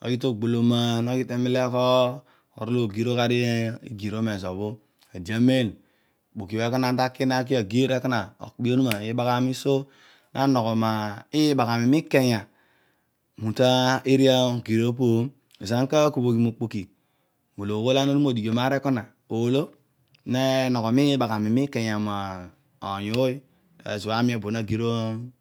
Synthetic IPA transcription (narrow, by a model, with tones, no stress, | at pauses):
o̰˨ɡi˦to˦˨ɡ͡bo˨lo˨ma˦no˦ki˦te˦mi˦le˦ko˦ | o̰˨ɾu˦lo˦˨ɡi˨ɾo˦ka˦ɾi˦ḭ˦ɡi˨ɾo˦me˨so˨bo˦ | a˨d͡ʒa˨me˦˨n˨ | k͡po˨ki˨we˨˦ku˦na˨n˦ta˦kːi˦na˦k̬i˦a˨ɡi˦ɾe˦ka˦na˨o̰˨kbi˦o˦nu˦ma˨i˦ba˦ka˦mi˦so˦ | na˦no˨ko˨ma˨i˦ba˨ka˨mi˨mi˦kːe˦ja˨ | mu˨ta˦i˦ɾi˦a˦˨ɡi˨ɾo˦p̬o˦˨ | za˦ŋ˦ka˦ku˨bo˨ki˨mu˨k͡po˨ki˨ | mu˨lo˨wo˦la˦no˦nu˦m˦o˨di˨ɡo˨ma˦ɾe˦ku˦na˨ | o˨lo˦ | ne˦no˨ko˨mi˦ba˨ka˨mi˨mi˦ke˨ja˨ma˨ | o˨ju˦ | ḛ˨zu˨a˦mi˦o˨bo˨na˦ɡi˨ɾo˦